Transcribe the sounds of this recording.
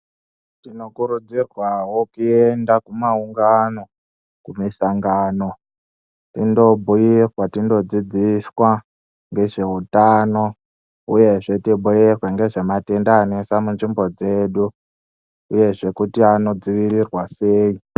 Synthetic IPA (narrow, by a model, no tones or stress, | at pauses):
tino̞kuɾud͡zirwawo̞kuendakumauŋɡano̞ | kumisaŋɡaːno̞ | tindo̞bʱujirwatindo̞d͡zid͡ziswa | ŋɡe̞ʐe̞utano̞ | uje̞ʐe̞tibʱojerweŋɡe̞ʐemate̞ndaːnesamunʐimbo̞d͡ze̞ːɗu | uje̞ʐe̞kutiano̞d͡ziʋirirwase̞ːi